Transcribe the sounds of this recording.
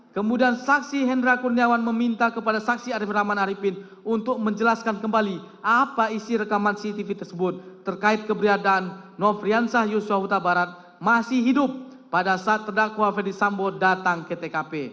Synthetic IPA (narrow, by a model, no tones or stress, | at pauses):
kəmudiansaksiɦɛndɾakurniawanməmint̪akəpadasak̚siaɾiframanaɾipɪn | unt̪ʊk̚məɲd͡ʒəlaskankəmbali | apaisiɾəkamansit̪ifit̪ərsəbʊt̪̚ːərkaɪt̪̚kəbɾiadanːɔfɾiansahjusuaɦut̪abaɾat̪̚ | masɪhɦidʊpː | adasaːt̪ːərdakwafɛrdisambodat̪aŋket̪ekape